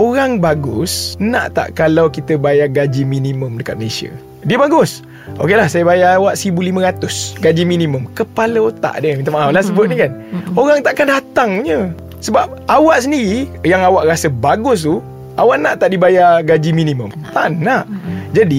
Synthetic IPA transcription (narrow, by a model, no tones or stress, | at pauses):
oɾaŋbaɡʊ̰sna̰ʔt̪a̰ʔkalawkit̪əbajaɡad͡ʒiminimə̃mdəka̰t̪̚məlesiə̰ | diəbaɡʊs | okelahsajabajaawaʔsəɾibulimə̃ɾat̪ʊsɡad͡ʒiminimə̃mkəpaləot̪a̰ʔdəmint̪amaʔawlasəbʊt̪̚ɲikanoɾaŋt̪aʔkandat̪aŋɲə̃ | səbap̚awaʔsəndiɾijaŋawaʔɾasəbaɡʊs̬t̪u | awaʔnaʔt̪aʔdibajaɡad͡ʒimĩnimə̃mt̪a̰ʔnaʔd͡ʒadi